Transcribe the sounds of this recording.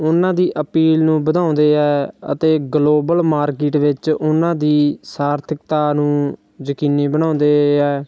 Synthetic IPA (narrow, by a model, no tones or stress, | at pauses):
ʊnãːd̪iːʔəpiːlnũːbəd̪ãːʊ̃nd̪eːɛːə̰t̪eːɡloːbəlmaːɾkɪʈʋɪt͡ʃʊnãːd̪iːsaːɾt̪ʰək̚t̪aːnũː | d͡ʒəkiːniːbəñãːʊ̃nd̪eːɛː